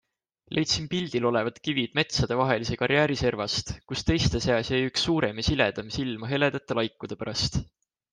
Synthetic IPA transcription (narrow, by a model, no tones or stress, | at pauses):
lʔe̞jt̪simpilʲd̪̥ilo̞le̞vɑd̪̥kivid̪̥me̞t̪sɑd̪̥e̞vɑɦe̞lise̞kɑɾjæːɾise̞rvɑst̪kust̪e̞jst̪e̞seɑsɑjyksːuːɾe̞mɑsiled̪̥ɑmsilmɑɦe̞le̞d̪̥ɑt̪ːˑelɑjkːˑud̪̥epæɾɑst̪